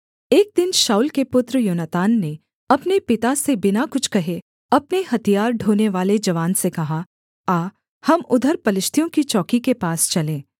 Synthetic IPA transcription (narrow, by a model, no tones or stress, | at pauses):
eːk̚d̪ɪnʃaːʊlkepʊt̪ɾəjʊːnat̪aːnːe | ɐpnepɪt̪asebɪnakʊt͡ʃʰkɐɦe | ɐpneɦɐt̪ijaːɾɖʱoːneʋaːled͡ʒɐʋaːnsekɐɦa | aː | hɐmʊd̪ʱəɾpɐlɪʃt̪ʰijõkit͡ʃɔːkikepaːst͡ʃɐlẽː